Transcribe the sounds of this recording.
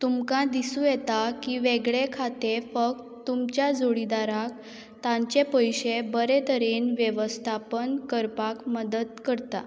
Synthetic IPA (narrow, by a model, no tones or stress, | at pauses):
t̪umkãd̪isũjet̪akiːʋeɡɭekʰat̪efək̚t̪t̪ːumt͡ɕjad͡zoɭid̪aɾak | t̪ãɲt͡ɕepəjɕebəɾet̪əɾenʋjeʋəst̪ʰapənkəɾpakməd̪əd̪kəɾt̪a̰